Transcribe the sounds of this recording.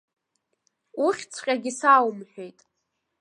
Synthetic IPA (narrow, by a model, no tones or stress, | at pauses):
uχʲt͡sʰqʲʼaɡʲɪsawmħʷᶣe̞jtʼ